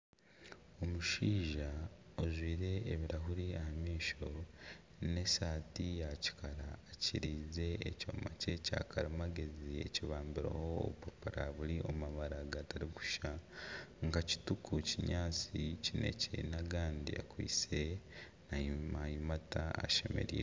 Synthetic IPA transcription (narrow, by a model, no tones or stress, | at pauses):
o̞muʃiːʒaozwiːɾe̞ːβiɾaɦuɾiahamiːʃo̞ | ne̞saːtijaci̥kaɾaːciɾiːze̞eco̰mace̞ca̰kʰaɾimaɡe̞zie̞̰ciβaːmbiɾa̰ho̰ːβupopuɾaβuɾiʔo̞maβaɾaɡataɾiku̥ʃa | ŋɡaci̥tukʰuciɲaːt͡sicine̞̰cenaɡaːndḭa̰kwḭːt͡se̞ | najimajimataa̰ʃe̞me̞̰ɾḭːɾe